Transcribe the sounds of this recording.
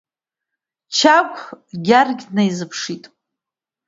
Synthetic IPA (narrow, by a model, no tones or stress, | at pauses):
t͡ʃʰakʷʰʼɡʲarɡʲnajzɨpʰʂitʼ